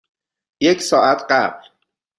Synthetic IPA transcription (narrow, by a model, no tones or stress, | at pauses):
jecʰsɒːʔæt̪ʰɢæb̥l